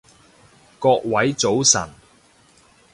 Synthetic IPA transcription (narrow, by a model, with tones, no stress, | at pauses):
kɔː˧k̚wɐ˨˥jt͡so˨˥wsɐ̰˨˩n